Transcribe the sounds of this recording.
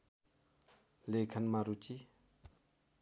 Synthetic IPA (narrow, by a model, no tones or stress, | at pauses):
lekʰanmaɾut͡ɕi